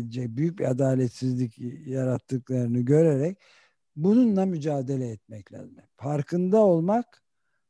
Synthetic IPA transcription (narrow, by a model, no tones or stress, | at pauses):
lid͡ʒɛc̚byjyc̚biad̪aːlʲɛt̪sizlʲicjaɾat̪ʰːɯklˠaɾɯnɯɟø̞ɾeɾɛc̚ | bununlˠamyd͡ʒaːd̪e̞lʲɛːt̪̚mɛclʲa̰ːzimɛfaɾkʰɯnd̪ao̞lˠmak